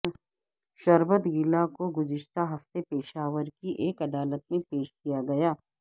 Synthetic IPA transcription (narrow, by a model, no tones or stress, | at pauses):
ʃɐɾbət̪ɡɪlakoɡʊzɪʃt̪aɦɐft̪epeːʃaːʋəɾkiʔeːkɐd̪aːlət̪̚mẽpeːʃkijaɡɐjaː